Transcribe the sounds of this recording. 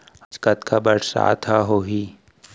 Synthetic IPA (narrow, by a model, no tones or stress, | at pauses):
ət͡ʃkət̪kʰabəɽsa̰ːt̪ʰaɦoːɦiː